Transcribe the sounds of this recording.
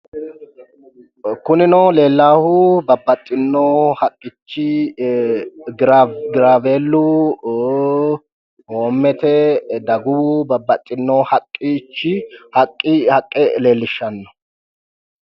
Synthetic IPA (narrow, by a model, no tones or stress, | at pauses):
kʊnɪnɔle̞ːlːaːhʊbɐbːɐt̪ʼːɪnːoːhɐkʼːɪt͡ʃːɪ | ɡɪɾaːveːlːʊ | oːmːɛt̪ɛd̪ɐɡʊbɐbːɐt̪ʼːɪnːoːhɐkʼːɪt͡ʃːɪhɐkʼːɪhɐkʼːɛle̞ːlːɪʃːɐnːɔ̥